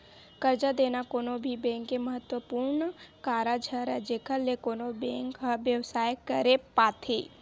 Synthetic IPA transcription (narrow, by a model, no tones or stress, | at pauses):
kəɾd͡ʒad̪eːnakoːnobʱibɛ̃ːŋkːeməɦət̪wəpuːɾnkaːɾad͡ʒʱəɾɛd͡ʒeːkʰəlːekoːnobɛ̃ːŋkɦəʋjəʋsaːjkəɾepaːt̪ʰḛː